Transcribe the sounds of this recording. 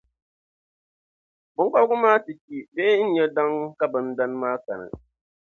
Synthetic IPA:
bʊ˦k͡pa˦lɡʊ˦maː˦tɨ˨t͡ʃi˨beː˦n̩˦ɲɛ˦da˦ŋka˦bɨ˨n˦da˦n˦maː˦ka˨nɨ̰˨

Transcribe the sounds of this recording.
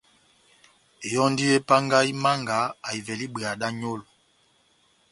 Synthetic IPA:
e˨jɔ˦n˦di˦e˦pa˦ŋɡa˦i˦ma˦ŋɡa˨˦a˨i˨vɛ˨li˦ɓe˨a˨da˦ɲo˦lo˨

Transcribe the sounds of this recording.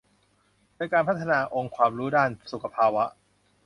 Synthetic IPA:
dɤː˧jkaː˧npʰa˦˥t̪ʰːa˧naː˧ʔo˧ŋkʰwaː˧mɾuː˦˥daː˥˩nsu˨˩kʰːa˧pʰaː˧wa˦˥ʔ

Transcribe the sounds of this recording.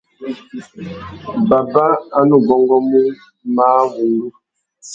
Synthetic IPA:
ba˨ba˦a˦nu˨ɡɔ˦ŋɡɔ˦mu˦ | maː˦wu˨ŋɡu˦

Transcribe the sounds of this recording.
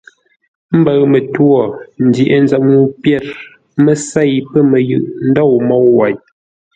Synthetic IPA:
m̩˦bə˨ɰmə˨twɔ˦˨n̩˨di˨ʔe˦n˦za˦˨mnu˦pjɛ˦˨ɾ | mə˨sa˦˨jpə˦mə˨jɯ˦˨ʔn̩˦dɔ˦˨mɔ˦wwa˨j

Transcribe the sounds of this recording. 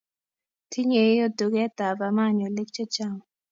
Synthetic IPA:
tʰi˦ɲe˨˦o˦du˨ɡɛ˦t̪a˨ba˨ma˦˨ɲo˨lɪ˦k̚t͡ʃe˦t͡ʃa˦˨ŋ˨

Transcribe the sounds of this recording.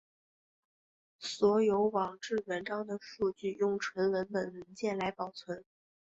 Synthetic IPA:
swɔ˧˥jo˧˥ʊwɑ˨˩ŋʈ͡ʂɻ̩˥˩ɻə˧˥nʈ͡ʂɑ˥ŋd̪ə˨ʂu˥˧t͡ɕy˥˧jʊ˥˩ŋʈ͡ʂʰwə˧˥nɻə˧˥nmə˨˩nɻə˧˥nt͡ɕjɛ˥˩nla˧˥ɪpɑ˨˩ʊt͡sʰwə˧˥n

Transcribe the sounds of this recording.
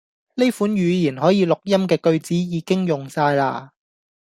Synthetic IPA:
le˥jfuː˨˥njyː˨˧jiː˨˩nɦɔː˨˥jiː˨˧lʊ˨k̚jɐ˥mkɛː˧kɵ˧ɥt͡siː˨˥jiː˨˧kɪ˥ŋjʊ˨˩ŋsaː˧jla̰ː˧

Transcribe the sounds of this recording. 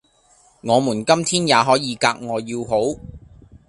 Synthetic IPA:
ŋɔː˨˧muː˨˩nkɐ˥mt̪ʰiː˥njaː˨˧ɦɔː˨˥jiː˨˧kaː˧k̚ŋɔː˨˧jiː˧wɦo˨˥w

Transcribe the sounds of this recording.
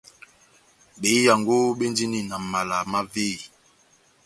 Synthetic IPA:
ɓe˨˦i˦ja˨ŋɡo˦ɓe˦ndi˦ni˨na˨ma˨la˨ma˦ve˦˨i˨

